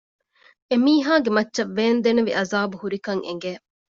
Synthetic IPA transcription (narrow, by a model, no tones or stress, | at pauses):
emiːɦaːɡemɐtːʃɐʋːeːnd̪eneʋiʔɐzaːbuhuɾikɐŋʔḛŋ̆ɡeː